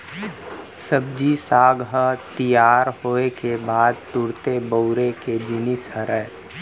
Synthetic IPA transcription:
səb̚d͡ʒisaːɡɦət̪ijaːɾɦoːekebaːd̪̚t̪ʊɾt̪ebəʊɾeked͡ʒɪnɪsəɾəɦ

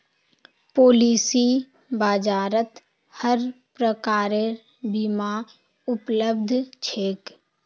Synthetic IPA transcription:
poːliːsi | baːd͡ʒaːɾət̪ | həɾ | pɾəkaːɾe | bimã | ʊpləbd̪ʱt͡ʃʰeːk

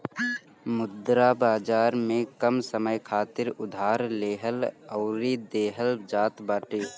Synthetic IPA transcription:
mʊd̪ɾabaːd͡ʒaːɾmẽkəmsəməjkʰaːt̪ɪɾʊd̪ʱaːɾleːɦələʊɾid̪eːɦəld͡ʒaːt̪baːʈeː

